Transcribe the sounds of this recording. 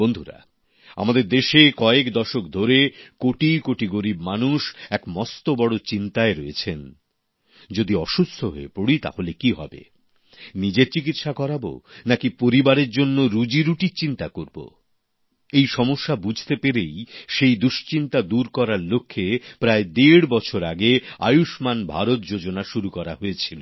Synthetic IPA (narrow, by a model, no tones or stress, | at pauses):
bond̪ʱuɾa̰ | a̰mad̪eɾd̪eʃekɔekd̪ɔʃokd̪ʱoɾekoʈikoʈiɡoɾibmanuʃɛkmɔst̪obɔɽot͡ɕint̪aeɾɔet͡ɕʰen | d͡ʑod̪iɔʃust̪ʰoɦo̰epoɽit̪a̰holekiɦɔ̰bḛ | nid͡ʑeɾt͡ɕik̬it̪ʃakɔɾabo̰nakipoɾibaɾeɾd͡ʑonːoɾud͡ʑiɾuʈit͡ɕint̪akoɾbo̰ | ejʃɔmoʃːabud͡ʑʱt̪epeɾejʃejd̪uʃt͡ɕint̪ad̪uɾkɔɾaɾlokʰːepɾaed̪eɽbɔt͡ɕʰoɾaɡea̰juʃmanbʱaɾot̪̚d͡ʑod͡ʑonaʃuɾukɔɾaɦoet͡ɕʰilo